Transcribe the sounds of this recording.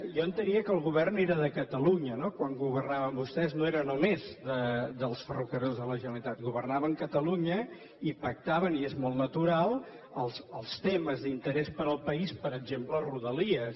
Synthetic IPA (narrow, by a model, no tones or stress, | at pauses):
jɔənt̪əɾiəkəlˠɣuβɛrneɾəðəkət̪əluɲənokwaŋɡuβərnaβəmbust̪ɛznoeɾənumezd̪əd̪əlˠsfərukəɾozðələʒənəlit̪at̪̚ɡuβərnaβəŋkət̪əluɲə | ipək̚t̪aβəniezmɔlˠnət̪uɾalˠ | əlˠsəlˠst̪eməzðint̪əɾɛspəɾəlˠpəispəɾəd͡ʒempləruðəliəs